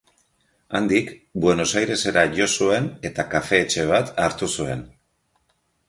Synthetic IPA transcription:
and̪ikbwe̞no̞sajɾe̞se̞ɾaʝo̞sue̞ne̞t̪akafe̞ːt͡ʃe̞β̞at̪aɾt̪usue̞̰n

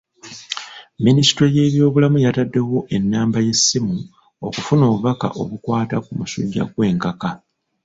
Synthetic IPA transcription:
ministɾeje̞ːβjo̞ːβulamujatadːe̞wo̞ʔe̞nːaːmbaje̞sːimu | o̞kufuno̞ːβuβaka̰ʔo̞̰βukwaːtakumusṵɟːa̰kwe̞ːŋkaka

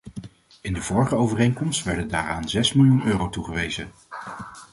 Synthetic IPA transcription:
ɪndəvɔːɹχəowvərejŋkɔmstʋɛɹdəndaːɹaːnzɛsmɪlˠjunøːrowtuχəʋejzə

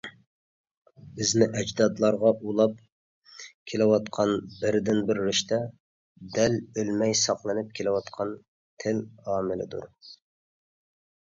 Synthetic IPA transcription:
bɪznɪʔɛd͡ʒd̪ɑd̪lˠɑɾʁɑʔulˠɑp | kʲʰelɪwɑt̪qʰɑnbɪɾd̪ɪnbɪɾːɪʃt̪ʰɛ | d̪ɛlølmɛjsɑqlˠɨnɪp̚kʲʰelɪwɑt̪qʰɑn | t̪ʰɪlɑːmɪlɪ̰d̪ṵɾ

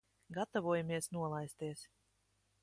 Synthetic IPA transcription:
ɡat̪ɔvuɔjamiɛsnuɔlˠajst̪iɛs

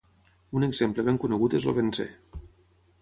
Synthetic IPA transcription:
uneɡzempləβeŋkuneɣut̪ezo̰βensḛ

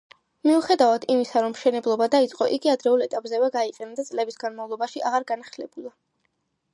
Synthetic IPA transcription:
miuχɛd̪avad̪ʰimisaɾɔmʃɛnɛblˠɔbad̪ait̪sʼqʼɔʔiɡiad̪ɾɛulˠɛt̪ʼapʼzɛvɛɡaiqʼɛnad̪at̪sʼlɛbisɡanmavlˠɔbaʃiaʁaɾɡanaχlɛbulˠa

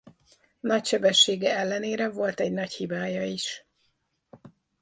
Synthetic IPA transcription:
nɒcʃɛbɛʃːeːɡɛɛlːɛneːɾɛvo̞lt̪ɛɟnɒchibaːjɒiʃ

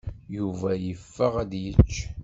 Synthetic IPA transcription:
juvæjəfːəʁæd̪jət͡ʃː

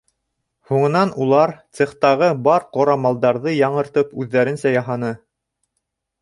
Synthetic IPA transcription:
huɴɤ̆nɑnulˠɑɾt̪sĕχt̪ɑʁɤbɑɾqŏɾɑmɑlˠd̪ɑɾðɤjɑɴɤ̆ɾt̪ɤpʉðːæɾɘnsæjɑɦɑnɤ

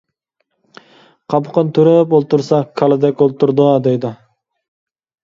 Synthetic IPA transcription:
qʰɑpʰʊqʰənt̪ʰyɾøpolˠt̪uɾsɑkʰɑlˠɨd̪ɛkʲolˠt̪uɾd̪əd̪ejd̪ɪ

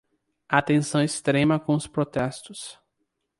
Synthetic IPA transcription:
at̪ẽsɐ̃w̃ist̪ɾẽmɐkõʊspɾot̪ɛst̪ʊs

